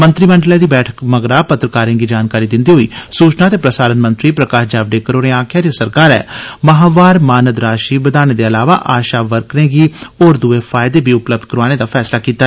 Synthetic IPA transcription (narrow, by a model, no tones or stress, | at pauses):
mə̃nt̪ɾiːmə̃ɳɖlɛ̃ːd̪iːbɛːʈʰə̥kməɡɾaːpət̪ɾəkaːɾẽːɡiːd͡ʒaːnkaːɾiːd̪ɪnd̪iːɦoːḭːsuːt͡ʃnaːt̪eːpɾəsaːɾənmə̃nt̪ɾiːpɾəkaːʃd͡ʒaːʋɖeːkəɾoːɾẽːaːkʰjaːd͡ʒaːsəɾkaːɾɛ̰ːməɦaːʋaːɾmaːnəd̪ɾaːʃiːbəd̪aːñeːd̪eːəlaːʋa̰ːʔaːʃaːʋəɾknẽːɡiːoːɾd̪ueːfʰaːɪd̪eːbʱiːʊpləb̚d̪kəɾaːñeːd̪aːfʰɛːslaːkiːt̪a